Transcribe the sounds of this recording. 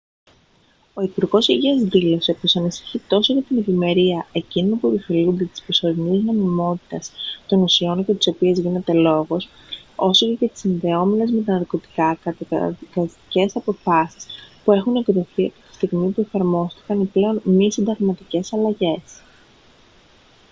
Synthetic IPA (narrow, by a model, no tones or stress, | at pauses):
o̞ipuɾɣo̞siʝiɐzðilo̞se̞pusɐnisi̥çit̪o̞soʝɐt̪ine̞vime̞ɾiɐe̞cinonpue̞pifelund̪et̪i̥spɾoso̞ɾinizno̞mimo̞t̪i̥t̪ɐst̪o̞nusio̞ncet̪i̥so̞piezʝine̞t̪e̞lo̞ɣo̞s | o̞socecɐt̪i̥sinðe̞o̞menezme̞t̪̬ɐnɐɾko̞t̪i̥kɐkɐkɐst̪i̥ce̞sɐpo̞fɐsi̥spue̞xuneɡot̪oθiɐpot̪i̥st̪iɣmipue̞fɐɾmo̞st̪i̥kɐniple̞o̞nmisind̪ɐɣmɐt̪ice̞sɐlɐʝe̞s